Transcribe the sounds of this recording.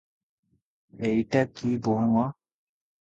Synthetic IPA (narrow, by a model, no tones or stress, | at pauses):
eitɛkiboŋɔ